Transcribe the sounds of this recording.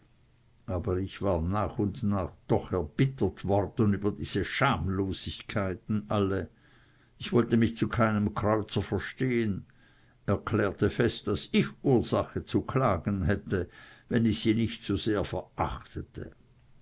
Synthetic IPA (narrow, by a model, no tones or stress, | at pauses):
ʔaːbəʁɪçv̥aːɐnaːχʊndnaːχd̥ɔχɛɐb̥ɪtətv̥ɔrd̥n̩yːbɐdiːz̥əʃaːmloːz̥ɪçkʰaɪtn̩ʔalə | ɪçv̥ɔltəmɪçt͡sukʰaɪnəmkʰʁ̥ɔʏt͡sɐfɛɐʃteːən | ɛɐkʰlɛːɐtəfɛstd̥asɪçʔuːɐz̥aχət͡sukʰlaːɡən̩ɦɛtəvɛnɪçsiːnɪçtsoz̥eːɐfɛɐʔa̰χtətʰə̰